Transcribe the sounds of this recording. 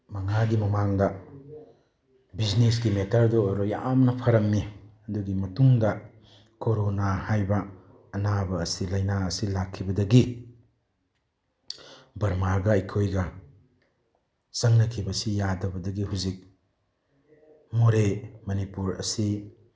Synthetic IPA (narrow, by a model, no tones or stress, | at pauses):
mɐŋaɡimɐmaŋdɐ | biznesɡimetʰɐɾdoːɾoja̰mnɐpʰɐɾɐmːiɐduɡimɐtuŋdɐ | koɾonahajbɐː | nabɐːsilɐjnaɐsilakʰːibɐdɐɡi | bɐɾmaɡɐɐjkʰojɡɐ | sɐŋnɐkʰibɐsijadɐbɐdɐɡiɦuzik̚ | muɾemɐnipuɾɐ̰si